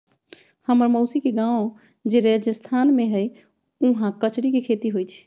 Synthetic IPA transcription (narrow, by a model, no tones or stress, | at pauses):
həməɾməʊsikeɡãw | d͡ʒeɾed͡ʒəst̪ʰanmeɦəj | uɦãkət͡ʃɾikekʰet̪iɦojt͡ʃʰɛ̥